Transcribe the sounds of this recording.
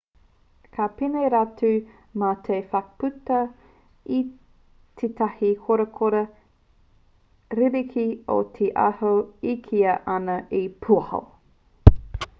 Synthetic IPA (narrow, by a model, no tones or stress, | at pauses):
kʰapineɾatu | matʰejfɐkpʉtɐ | i | tʰet̪ʰɐhikʰoɾɐkʰoɾɐ | ɾilikʰio̰t̪ʰeʔa̰hoikʰiɐʔɐnɐʔipʰuɐho̰